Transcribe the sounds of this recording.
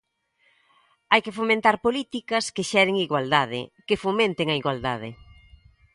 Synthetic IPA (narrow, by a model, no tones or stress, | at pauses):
ajkefomẽnt̪aɾpolit̪ikɐskeʃɛɾeŋiɣwald̪aðɪ̰kefomẽnt̪eŋɐiɣwald̪aðɪ̰